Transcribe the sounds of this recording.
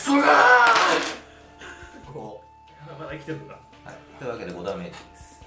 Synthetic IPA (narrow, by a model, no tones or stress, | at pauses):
sɨɡa | o | mad̪aikʲi̥t̪eɾɯka | ha̰it̪oiβake̞d̪e̞ɡod̪ameɾid̪es